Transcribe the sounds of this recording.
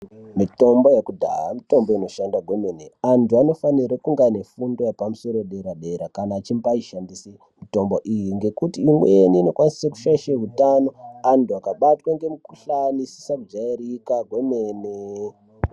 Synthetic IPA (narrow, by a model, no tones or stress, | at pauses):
mito̞mbo̞jekudʱa̰ɦamito̞mboino̞ʃandaɡʱwe̞meneantuano̞faniɾekuŋɡane̞fundo̞japamuso̞ɾoɗe̞ɾaɗe̞ɾakanaːt͡ʃimbaiʃandisi | mito̞mboʔijiŋɡe̞kutiːmweniːno̞kwaniseku̥ʃaiʃeɦutano̞antuakaɓatwaŋɡe̞mukuɬanisi̥sakud͡ʒaeɾikaɡʱwe̞meːne